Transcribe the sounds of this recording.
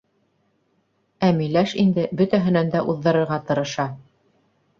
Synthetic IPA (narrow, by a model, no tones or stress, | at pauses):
æmilæʃind̪ɘbɵt̪æɦɘ̆nænd̪æʔuðːɤ̆ɾɤ̆ɾʁɑt̪ɤ̆ɾɤ̆ʃɑ